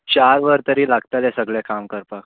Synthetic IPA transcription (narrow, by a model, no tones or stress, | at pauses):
t͡ɕaɾʋəɾt̪əɾiːlaɡt̪alɛsəɡɭɛkamkəɾpak